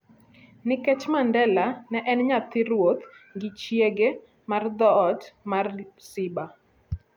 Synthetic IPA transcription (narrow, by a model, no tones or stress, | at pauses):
nɪkɛt͡ʃmandɛlanɛʔɛnɲat̪ɪɾwot̪ | ŋɡɪt͡ʃjeɡe | mard̪ɔːtmarsɪba